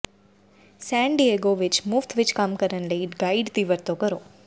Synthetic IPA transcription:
sɛ̃ɳɖieɡoʋɪt͡ʃmʊft̪ʰʋɪt͡ʃkamkəɾənləiɡaiɖt̪iʋəɾt̪okəɾoː

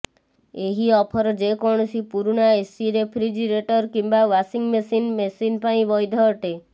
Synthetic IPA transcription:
eɦiɔpʰɔɾd͡ʒekɔɳ̃sipuɾuɳaesiɾepʰɾid͡ʒiɾeʈɔɾkimbaʋasiŋɡmesinmesinpaĩbɔjd̪ʱɔʈe

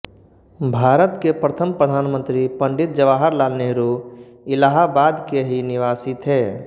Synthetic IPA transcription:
bʱaːɾət̪kepɾət̪ʰəmpɾəd̪ʱaːnmə̃nt̪ɾipə̃ɳɖɪt̪̚d͡ʒəʋaːɦəɾlaːlneɾu | ɪlaɦabaːd̪keɦinɪʋaːsit̪ʰɦɛː

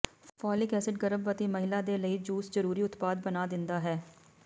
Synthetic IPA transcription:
fʰɔːlɪkɛːsɪʈ̚ɡəɾəbət̪eːməɦɪlaːd̪eːləiːd͡ʒuːszəɾuːɾiːʊt̪paːd̪̚bənaːd̪ɪnd̪aːɦɛː

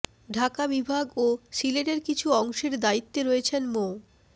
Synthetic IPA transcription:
ɖʱakabibʱaɡoʃileɖeɾkit͡ɕʰuɔŋʃeɾd̪ait̪ːeɾoet͡ɕʰenmo

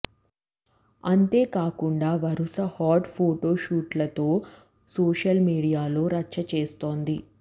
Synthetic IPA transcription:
ɐnt̪e̞ːkaːkuɳɖaːʋɐɾusɐhaːʈpʰoːʈo̞ːʃuːʈlɐt̪oː | soːʂɐlmiːɽijaːlo̞ːɾɐt͡ʃːɐt͡ʃeːst̪o̞ːnd̪i

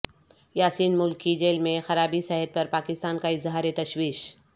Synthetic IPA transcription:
jaːsiːnmʊlkid͡ʒeːlmẽxɐɾaːbisɛɦət̪̚pɐɾpaːkɪst̪aːnkaɪzɦaːɾet̪ɐʃwiːʃ

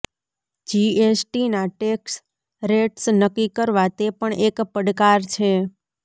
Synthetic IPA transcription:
d͡ʒiesʈinaʈeks | ɾeʈsnəkːikəɾʋat̪epəɳekpəɽkaɾt͡ʃʰe

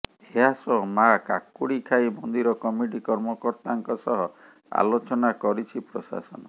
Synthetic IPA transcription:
heɦasɔmakakuɽikʰaibɔnd̪iɾɔkɔmiʈikɔɾmɔkɔɾt̪aŋkɔsɔɦɔ | a̰lot͡ʃɔnakɔɾit͡ʃʰipɾɔsa̰sɔ̰nɔ

